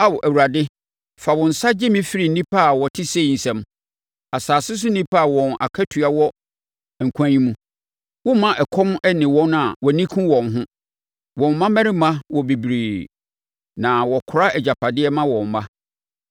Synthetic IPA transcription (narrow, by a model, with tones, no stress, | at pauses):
a˦wʔæ˨wu˨ɾa˨dɪ˦ | fa˨wɔ̃˨n̩˨sa˦d͡ʑɪ˦mĩ˦fi˦ɾi˨n̩˦nĩ˦pʰa˦˨wɔ˨tʰɪ˦se˦˨n̩˨sɛ̃˨m | a˨saː˨sɪ˦s̬ʊ˦n˦ĩ˦pʰa˦a˨wɔ̃˨na̰˨kʰɛ˦tʰɥa˨wɔ˦˨ | kʷʰã˦ɲĩ˦mũ˦ | wʊ̃˦mã˦ʔɛ˨kʰɔ̃˦m˦ɛ˦nɪ̃˨wɔ̃˦n˦a˨wɔ˨nĩ˦kʰũ˦wɔ̃˨nɦʊ̃˦ | wɔ̃˨mː˨ã˦mæ̃˦ɾɪ˦mã˦wɔ˨bi˨bɾiː˨ | nã˨wɔ˨kʰʊ˨ɾa˦ɛ˨d͡ʑa˨pʰa˨dɪ˦ɛ˦mã˦wɔ̃˨mːa˦